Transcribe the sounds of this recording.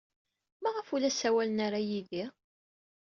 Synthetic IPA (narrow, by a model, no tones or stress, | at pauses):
mæʁəfulæsæwælənaɾajiði